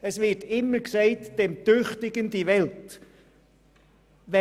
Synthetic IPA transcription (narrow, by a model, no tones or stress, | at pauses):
əsvɪtɪmːəksɛɪtd̥ɛmt̪ʏχtɪɡəndiʋɛlt | ʋɛ